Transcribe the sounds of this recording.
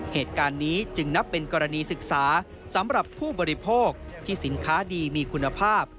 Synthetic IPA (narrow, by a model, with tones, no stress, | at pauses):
heː˨˩t̪̚kaː˧nːiː˦˥t͡ɕɯ˧ŋna˦˥pːe˧nkɔː˧ɾa˧niː˧sɯ˨˩k̚saː˩˦ | sa˩˦mɾa˨˩pʰːuː˥˩bɔː˧ɾi˦pʰoː˥˩k̚t̪ʰiː˥˩si˩˦nkʰaː˦˥diː˧miː˧kʰu˧nːa˧pʰaː˥˩p̚